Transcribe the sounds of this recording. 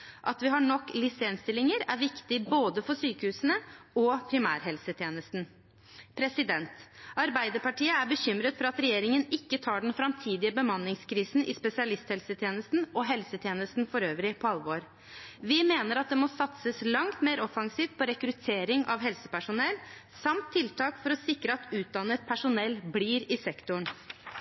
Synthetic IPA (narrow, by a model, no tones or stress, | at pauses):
ʔɑt̪ʋɪɦɑɳɔkːlɪsɛnst̪ɪlɪŋəɾæɾʋɪkt̪ɪboːd̪əfɔʂyːkəhʉːsənəɔpʰɾɪmæ̰ːɾɦɛlsət̪ʰjeːnəst̪n̩ | pʰɾɛsɪd̪ɛnt̪ɑɾbæɪd̪əɾpɑʈiːəæɾbəçʏmɾət̪fɔɾɑt̪ɾɛjeːɾɪŋənɪkːət̪ʰɑːɖɛnfɾɑmt̪ʰiːd̪ɪəbəmɑnːɪŋskʰɾiːsn̩ʔɪspɛsɪɑlɪst̪hɛlsət̪ʰjeːnəst̪nɔɦɛlsət̪ʰjeːnəst̪n̩fɔɾøːʋɾɪpʰɔɑlʋoːɾ | ʋɪmeːnəɾɑt̪̚d̪ɛmɔsɑt̪səslɑŋt̪meːɾɔfɑŋsiːft̪̚pʰɔɾɛkɾʉt̪ʰeːɾɪŋʔɑ̰ʋɦɛlsəpæʂʊnɛlː | sɑmt̪ʰːɪlt̪ʰɑːkfɔɾɔsɪkɾəɑt̪ʉːt̪̚d̪ɑnːət̪̚pʰæʂʊnɛlːbliːɾɪsɛkt̪ʊɳ